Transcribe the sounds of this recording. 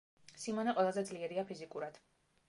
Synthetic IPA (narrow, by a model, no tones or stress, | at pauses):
simanɛqʼwɛlˠazɛd̪zliɛɾiapʰizikʼuɾad̪̥